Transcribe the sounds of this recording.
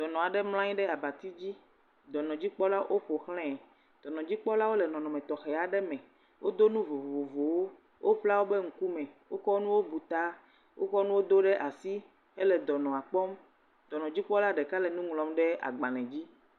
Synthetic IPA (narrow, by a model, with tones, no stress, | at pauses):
d̪̥ɔ˨nɔ̃˨a˨ɖɛ˦ml̃ã˦ɲĩ˦ɖɛ˦a˨ba˨t̪i˦d͡ʑi˦ | d̪ɔ˨nɔ̃˨d͡ʑi˦k͡pɔ˦la˦ʔo˦ɸo˨xlɛ̃˦ | d̪̥ɔ˨nɔ̃˨d͡ʑi˦k͡pɔ˦la˦wo˦lɛ˨nɔ̃˨nɔ̃˨mɛ̃˨t̪ɔ˨xɛ˨a˨ɖɛ˦mɛ̃˨ | wʔo˦d̪o˦nũ˦vo˨o˨vo˨wo˦ | wʔo˦ɸla˦wo˦bɛ˦ŋ̩˦ku˦mɛ̃˨wo˦kɔ˦nũ˦wo˦bu˨t̪a˦ | wʔo˦kɔ˦nũ˦wo˦d̪o˦ɖɛ˦ʔa˨si˦ | e˦lɛ˨d̪ɔ˨nɔ̃˨a˨k͡pɔ˦m | d̪̥ɔ˨nɔ̃˨d͡ʑi˦k͡pɔ˦la˦ɖɛ˨ka˦lɛ˨nũ˦ŋlɔ̃˨mɖɛ˦a̰˨ɡ͡ba˨lɛ̃˨d͡ʑi˦